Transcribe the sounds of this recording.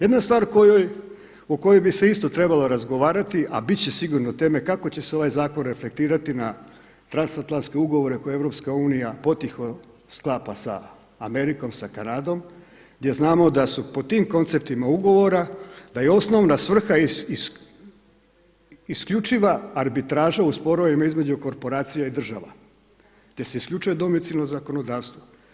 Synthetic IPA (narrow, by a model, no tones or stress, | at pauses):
je̞d̪nast̪ʋaːɾkojoj | uko̞jojbise̞ist̪o̞t̪ɾe̞balo̞ɾazɡo̞ʋaːɾat̪iʔa̰bitt͡ɕe̞siɡuɾnot̪e̞ːme̞kako̞t͡ɕe̞seo̞ʋajzaːko̞nɾe̞flek̚t̪iːɾat̪ina | t̪ɾansat̪lˠanske̞uɡo̞ʋo̞ɾeko̞jaevɾo̞pskauːnijapo̞t̪ixo | sklˠaːpasa̰ː | me̞ɾiko̞msakanad̪o̞ːm | ɡd̪je̞znaːmo̞d̪asupo̞t̪iːmko̞nt̪se̞p̚t̪imauɡo̞ʋo̞ɾad̪ajeo̞sno̞ʋnasʋr̩xaii | iskʎʲut͡ʃiʋaːɾbit̪ɾaːʒauspo̞ɾoʋimaizme̞d͡ʑuko̞ɾpo̞ɾaːt̪sijaid̪r̩ʒaʋa̰ | ɡd̪ʲje̞se̞iskʎʲut͡ʃuje̞d̪o̞mit̪silno̞zako̞no̞d̪aːʋst̪ʋo